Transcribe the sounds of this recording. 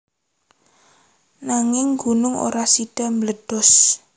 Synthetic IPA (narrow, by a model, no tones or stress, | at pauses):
naŋɪŋɡunʊŋo̰ɾasiɖ̥a̤mələɖ̥ɔs